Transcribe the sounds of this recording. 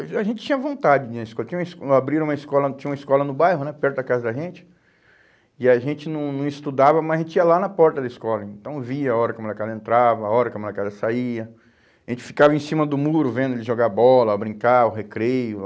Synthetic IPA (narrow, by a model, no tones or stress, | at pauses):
aʒẽnt͡ʃɪ̥t͡ʃĩɲ̃ɐvõnt̪ad͡ʒɪd͡ʒɪũniskɔlɐtt͡ʃĩɲ̃ũmɐskabɾiɾɐ̃ũmɐiskɔlɐt͡ʃĩɲɐumɐɪskɔlɐnʊbajɦʊnɛpɛɾt̪ʊd̪ɐkazɐd̪ɐʒẽt͡ʃɪ̥ | ɪaʒẽnt͡ʃɪnɐ̃w̃nɐ̃w̃ɪst̪ud̪avɐmɐzɐʒẽnt͡ʃɪiɐlanɐpɔɾt̪ɐd̪ɐɪiskɔlɐẽnt̪ɐ̃w̃viɐaɔɾɐkõmɐkazẽnt̪ɾavɐaɔɾɐkɪ̃makazɐsaiɐ | aʒẽnt͡ʃɪ̥fi̥kavɐẽsĩmɐd̪ʊmuɾʊvẽnd̪ʊelɪʒoɡabɔlɐːbɾĩŋkaʊɦekɾejʊ